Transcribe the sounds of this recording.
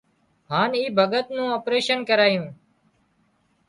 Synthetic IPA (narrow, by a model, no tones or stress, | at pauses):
ɦaːniːbʱəɠət̪nũːoːpɾeːʃənkəɾaːjũː